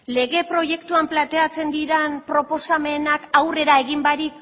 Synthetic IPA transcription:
le̞ɣ̞e̞pɾo̞je̞kt̪uamplant̪e̞at͡se̞nd̪iɾenpɾo̞po̞same̞nakawre̞ɾae̞ɣimbaɾik

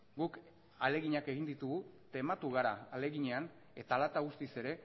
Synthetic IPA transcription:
ɡuk | ale̞ɣiɲake̞ɣind̪it̪uɣut̪e̞mat̪uɣaɾaːle̞ɣiɲe̞an | e̞t̪alat̪aɣ̞ust̪ise̞ɾe̞

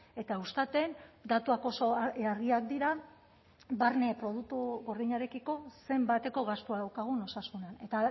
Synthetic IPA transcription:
e̞t̪aust̪at̪e̞nd̪at̪uako̞soaɾɣiak̚d̪iɾa | barnepɾo̞ð̞ut̪uɣo̞rðiɲaɾe̞kiko̞se̞mbat̪e̞ko̞ɣast̪uaðawkaɣ̞uno̞sasunane̞t̪a

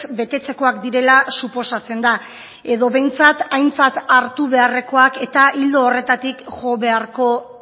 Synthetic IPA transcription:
be̞t̪e̞t͡se̞ko̞akd̪iɾe̞lasupo̞sat͡se̞nd̪a | e̞ðo̞βe̞jnt͡sat̪ajnt͡sat̪aɾt̪uβe̞are̞ko̞ake̞t̪aʔild̪o̞ːre̞t̪at̪ikʝoβe̞aɾko̞

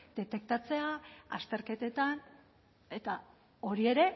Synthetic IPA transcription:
d̪̥e̞t̪e̞k̚t̪at͡se̞aa̰st̪e̞ɾke̞t̪e̞t̪an | e̞t̪a | o̞ɾie̞ɾe̞

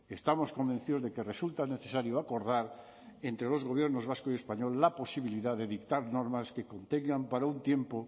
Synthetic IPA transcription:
est̪amo̞sko̞mbẽn̟θiðo̞zðeke̞result̪ane̞θe̞saɾjoako̞ɾðaɾ | ent̪ɾelo̞zɣoβ̞jeɾnozβ̞askoie̞spaɲo̞lːapo̞siβ̞iliðaðeðikt̪aɾnoɾmaskeko̞nt̪eŋɡampaɾaunt̪je̞mpo

